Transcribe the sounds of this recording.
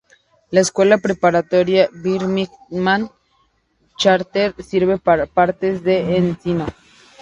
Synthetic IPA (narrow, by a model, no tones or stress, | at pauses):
laeskwe̞lapɾepaɾat̪oɾjaβiɾmikmãn | t͡ʃaɾt̪eɾsiɾβepaɾapaɾt̪ezðeːnsino